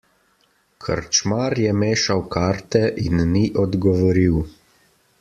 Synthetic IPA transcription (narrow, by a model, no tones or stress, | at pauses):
kʰə̰ɾt͡ʃmaːɾjɛmeːʃawkaːɾt̪ɛʔinːiʔɔd̪ɡɔʋɔɾiw